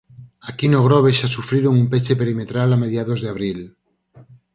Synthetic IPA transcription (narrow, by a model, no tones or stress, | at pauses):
akinoɣ̞ɾoβ̞eʃasufɾeɾoŋumpet͡ʃe̞pe̞ɾime̞t̪ɾalame̞ðjaðozðeaβɾil